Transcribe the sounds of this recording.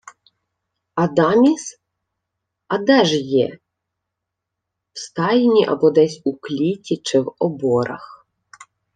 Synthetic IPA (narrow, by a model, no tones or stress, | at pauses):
ɐd̪ɑmʲis | ɐd̪ɛʒjɛ̰ | wst̪ɑjinʲiʔɐ̰bɔd̪ɛsʲuklʲitʲit͡ʃɪwɔbɔɾɐ̰x